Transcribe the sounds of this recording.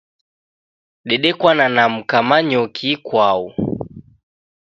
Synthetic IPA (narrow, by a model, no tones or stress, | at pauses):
ɗɛɗɛkwananam̩kamaɲɔkʰikwau